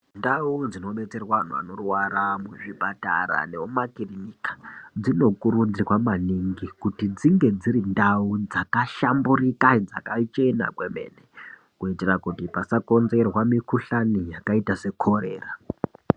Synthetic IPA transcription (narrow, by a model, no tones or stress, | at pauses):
ndaud͡zino̞ɓe̞t͡se̞rwaan̤ua̰no̞rwaɾamuʐipata̰ɾa̰neomakirinikḁd͡zino̞kuɾund͡zirwamaniŋɡikutid͡ziŋɡe̞d͡ziɾindaud͡zakaʃamburikad͡za̰kat͡ʃe̞na̰kwe̞me̞̰ːne | kuiterakutipasako̞nze̞rwamikuɬanijakaitase̞kʰo̞ɾe̞̰ːra